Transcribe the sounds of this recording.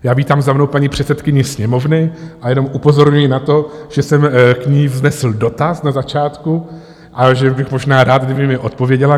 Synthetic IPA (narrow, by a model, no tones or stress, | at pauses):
jaːviːt̪aːmzamno̞wpaɲiːpr̝̥ɛt̪sɛt̪kɪɲɪsɲɛmo̞vnɪʔajɛno̞mʔupo̞zo̞ɾɲujɪnat̪o̞ʒ̥ɛsɛmkɲiːvznɛsl̩do̞t̪asnazat͡ʃaːt̪ku | ʔaʒɛbɪxmo̞ʒnaːɾaːtd̪̚ɡdɪbɪmɪʔo̞t̪̚po̞vjɛɟɛla